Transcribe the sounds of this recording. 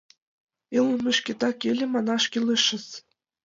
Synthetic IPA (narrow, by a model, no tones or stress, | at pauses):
ilˠmʲɘ̆ʃkʲĕt̪ɑkʲelʲɘ̆mɑnɑʂkʲilʲˠɘʃːɘ̆s